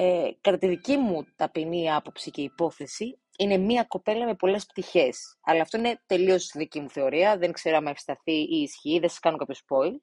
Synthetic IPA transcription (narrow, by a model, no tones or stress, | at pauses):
ekɐt̪ɐt̪iðicimut̪ɐpiniɐpo̞psice̞ipo̞θe̞si | ine̞miɐko̞pe̞lɐme̞po̞le̞sp̚t̪içe̞sɐlɐːft̪o̞ine̞t̪e̞lio̞sst̪iðicimuθe̞o̞ɾiɐðe̞ŋkse̞ɾoɐmɐefst̪ɐθiiːsçiːðesɐ̥skɐnokɐapço̞spo̞i